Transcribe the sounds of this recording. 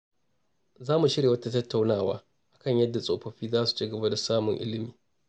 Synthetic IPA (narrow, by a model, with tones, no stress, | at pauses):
zaː˦mu˨ʃɪ˦ɽeː˨wɐ˦ta˦tɐ˦tːa˨wnaː˦˨wa̰ː˦ | ʔa˨kɐ˦˨ɲjɐ˦dːa˨sʼoː˨ɸɐ˦ɸiː˦zaː˦su̥˨t͡ʃi˦ɡɐ˨ba˦da˨saː˦mʊ˨ŋʔɪ̰˦lɪ˦miː˨